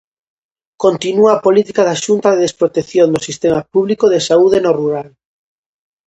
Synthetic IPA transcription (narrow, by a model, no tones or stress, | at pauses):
kont̪inuaːpolit̪ikaðaʃunt̪aðeðespɾot̪eθjõnd̪osist̪emapuβlikoðesauð̞enoruɾal